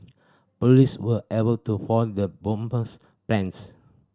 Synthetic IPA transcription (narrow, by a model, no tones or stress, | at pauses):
pɔliswəʔebəltufɔdəbɔ̃mpəs | plɛ̃ns